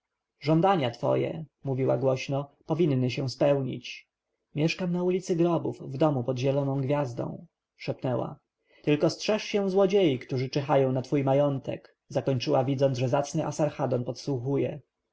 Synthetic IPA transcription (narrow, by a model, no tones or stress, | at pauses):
ʐɔnd̪aɲat̪fɔ̰jɛ̰muvʲiwa̰ɡwɔɕnɔpɔvʲinːɘɕɛw̃spɛwɲḭt͡ɕ | mʲjɛʂkamnaulʲit̪sɘɡɾɔbufvd̪ɔmupɔd̪ʑɛlɔnɔ̃w̃ɡvʲjazd̪ɔ̰̃w̃ | ʂɛpnɛwa̰ | t̪ɘlkɔstʂɛʂɕɛw̃zwɔd͡ʑejikt̪uʐɘt͡ʂɛxajɔ̃w̃nat̪fujmajɔnt̪ɛ̰k | zakɔɲt͡ʂɘwavʲid̪zɔnʐɛzat̪snɘʔasaɾxad̪ɔnpɔt̪swuxujɛ̰